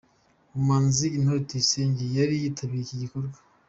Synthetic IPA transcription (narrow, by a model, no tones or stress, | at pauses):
umaːnziin̥hoɾitiseːɲɟejaɾijiːtʰaβiɾeciɟikoɾɡwḁ